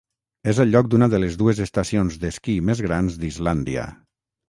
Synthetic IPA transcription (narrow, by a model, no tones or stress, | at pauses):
ezəlʎːɔk̚d̪unaðəlezðuezest̪asionzðeskimezɣɾanzd̪izland̪ia̰